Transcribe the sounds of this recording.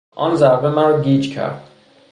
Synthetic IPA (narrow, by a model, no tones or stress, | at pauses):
ɒ̰nzæɾbemæɾɒɡiːd͡ʒcʰæ̰ɾd̪̥